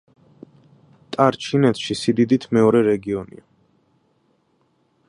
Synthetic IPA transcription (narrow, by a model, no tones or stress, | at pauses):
t̪ʼaɾt͡ʃʰinɛt̪ʰʃisid̪id̪it̪ʰmɛɔɾɛɾɛɡiɔnḭa